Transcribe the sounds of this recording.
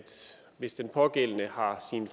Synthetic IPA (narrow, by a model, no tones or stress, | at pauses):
d̥ | ʋe̝sd̥enpʰɒ̽ɡ̥el̰nəhɑ̈sinf